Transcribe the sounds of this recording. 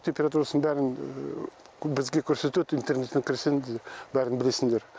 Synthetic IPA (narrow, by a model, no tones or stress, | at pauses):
t̪ʲʰempʲe̞ɾat̪̬uɾasənbæɾɪn | bɪzɡʲe̞kʲʰɵɾse̞t̪et̪ijnt̪e̞rne̞t̪ːɪŋkʲʰɪɾseŋd̪bæɾɪnbɪle̞sɪŋd̪e̞ɾ